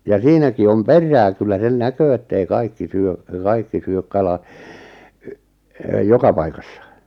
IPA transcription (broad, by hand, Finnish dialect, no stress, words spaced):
jɑ siːnæki om perˑæː kylːæ sen nækøː etːei kɑikːi syø kɑikːi syøk kɑlɑ yʔ jokɑ pɑikɑsːɑ